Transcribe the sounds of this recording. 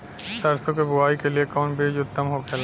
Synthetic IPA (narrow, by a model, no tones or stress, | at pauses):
saɾsokebuajkeliekɔnbed͡ʑut̪ːamɦokʰɛla